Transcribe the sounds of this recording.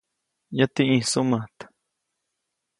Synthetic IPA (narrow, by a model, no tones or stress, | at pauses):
jat̪iʔĩsumat̪